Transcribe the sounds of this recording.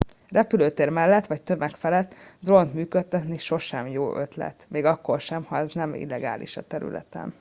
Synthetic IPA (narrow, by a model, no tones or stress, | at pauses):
rɛpyløːt̪eːrmɛlːɛt̪ʋɒct̪ømɛkfɛlɛt̪ːd̪ro̞nt̪myːkøt̪ːɛt̪niʃo̞ʃɛmjoːʔø̞t̪lɛ̰t̪meːɡɒkːo̞rʃɛmhɒɛznɛmḭlːɛɡa̰ːlʔḭʃɒ̰t̪ɛɾy̰lɛ̰t̪ɛ̰n